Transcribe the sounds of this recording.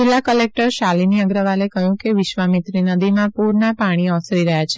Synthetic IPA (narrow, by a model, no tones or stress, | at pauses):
d͡ʒilːakəlek̚ʈəɾʃaliniəɡɾəʋalekəjũkeʋɪʃʋamit̪ɾinəd̪imãpuɾnapaɽ̃iɔsɾiɾəɦjat͡ʃʰe